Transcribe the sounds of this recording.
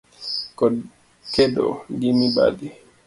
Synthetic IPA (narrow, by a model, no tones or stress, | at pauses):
kɔ | kɛdɔ̰dimiba̰di